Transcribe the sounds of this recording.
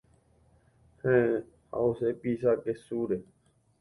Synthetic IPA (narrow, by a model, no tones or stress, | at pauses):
hẽː | ha̰ːoseːpiːsaːkeːsuːɾeː